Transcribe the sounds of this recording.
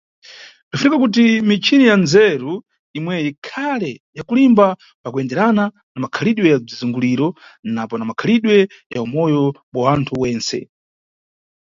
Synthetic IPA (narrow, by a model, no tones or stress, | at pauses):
dufunikakut̬imit͡ʃʰinijanzɛɾu | imwɛjikʰalɛjakulimba | pakuɛndɛɾana | namakʰaliɗwɛjab͡ʐizuŋɡuliɾɔnapɔnamakʰaliɗwɛ | jaumɔjɔɓawantʰuwɛːnsɛ̰